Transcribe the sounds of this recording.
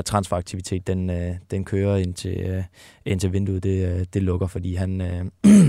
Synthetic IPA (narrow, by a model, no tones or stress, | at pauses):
t͡sʰʁɑ̈nsfɒɑ̈ɡ̥̚t͡sʰiʋit͡sʰe̝̰ːd̥enød̥enkʰøːɐe̝n̰t͡sʰe̝ | e̝n̰t͡sʰe̝ʋe̝nd̥uð̩ˠd̥e̝d̥e̝lɔ̽ɡ̥ɐfɒ̽d̥ḭːɦænø